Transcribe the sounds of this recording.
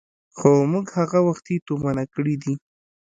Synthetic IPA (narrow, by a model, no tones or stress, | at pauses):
xomuɡhaɣawaxt̪it̪omanakəɽid̪i